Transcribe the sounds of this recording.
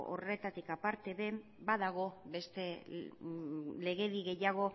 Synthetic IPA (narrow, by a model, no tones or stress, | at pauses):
o̰re̞t̪at̪ikapaɾt̪e̞βe̞ | baðaɣ̞o̞be̞st̪e̞ | le̞ɣe̞ðiɣe̞jaɣ̞o̞